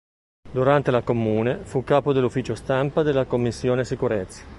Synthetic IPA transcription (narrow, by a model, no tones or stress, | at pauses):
d̪uɾant̪elakomːuːnefukːaːpod̪elːufiːt͡ʃost̪ampad̪elːakomːisːjoːnesikuɾet̪sːḁ